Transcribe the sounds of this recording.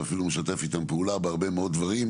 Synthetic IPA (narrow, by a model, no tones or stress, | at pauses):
afilumeʃat̪e̞fit̪ampeulabeaʁbe̞meo̞d̪̚d̪vaʁi